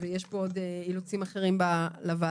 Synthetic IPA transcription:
vejeʃpood̪eilut͡simaχeʁimbalava

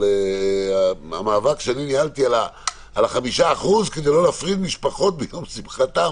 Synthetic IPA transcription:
eaa̰maːvakʃeaninialt̪iala | alaχamiʃaːχuzked̪ejlo̞leafʁid̪miʃpaχo̞t̪̚bejomsimχat̪am

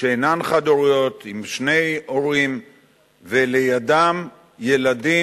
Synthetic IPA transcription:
ʃeenanχad̪oʁujo̞t̪imʃne̞jo̞ʁim | velejadam | je̞ladi

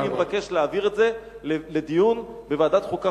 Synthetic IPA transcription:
imevake̞ʃleaviʁetze̞ | lled̪ijunbeveaːdat̪χuka

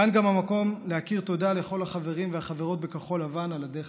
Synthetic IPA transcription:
anɡamamako̞mlehakiʁt̪o̞d̪ale̞χo̞lhaχave̞ʁimvehaχave̞ʁo̞t̪̚bekaχo̞lavanalad̪e

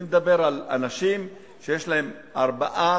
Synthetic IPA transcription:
med̪abe̞ʁala̰naʃim | ʃe̞jeʃlaɦe̞m | ʔaʁbaʔa

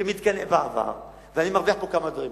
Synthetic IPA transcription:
emit̪kanevaːva̰ʁ | veanimaʁviaħpokamad̪vaʁim

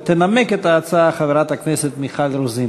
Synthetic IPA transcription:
t̪enameket̪aːt͡saaχaveʁat̪hakneset̪miχalɾuzi

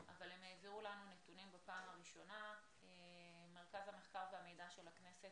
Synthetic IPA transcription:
ʔa̰valhemheːviʁulanunet̪unimbapaːmhaʁiʃo̞na | e | meʁkazhame̞χkaʁveame̞jdaʃe̞lhakne̞se̞t̚

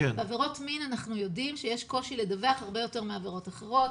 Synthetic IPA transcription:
eeaveʁo̞tminanaχnujo̞dimʃejeʃko̞ʃiled̪aveaχaʁbe̞jo̞te̞ʁmeaveʁo̞taχeʁo̞t

